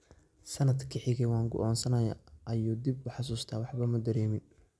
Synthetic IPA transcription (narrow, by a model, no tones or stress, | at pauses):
sɐnɐd̪kʰɪħɪɣɛwɑːŋɡʊ̰ʔɔːnsɐnɐja̰ʔɐjuːd̪ibʊħɑs̬uːst̪ʰaːwɑħbɐmɐd̪ɐɾɛːmɪn